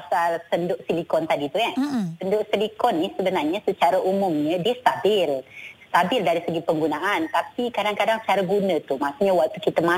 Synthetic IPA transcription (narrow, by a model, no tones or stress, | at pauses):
pasalsəndʊʔsilikɔnt̪adit̪ujasəndʊʔsilikɔnːisəbənarɲasət͡ʃaɾaʔumʊmɲədiəst̪abɪlst̪abɪldaɾisəɡipəŋɡunaʔant̪apikadaŋkadaŋsət͡ʃaɾaɡunət̪umasuɲawaʔ̚t̪ukit̪əma